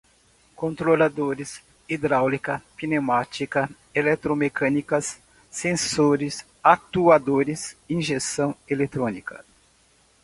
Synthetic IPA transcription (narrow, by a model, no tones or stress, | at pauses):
kõnt̪ɾolad̪oɾɪs | id̪ɾawlikɐpinemat͡ʃikɐ | elɛt̪ɾomekɐ̃nikɐsː | ẽsoɾɪs | at̪uad̪oɾɪsĩʒest̪ɐ̃w̃elet̪ɾõnikɐ̰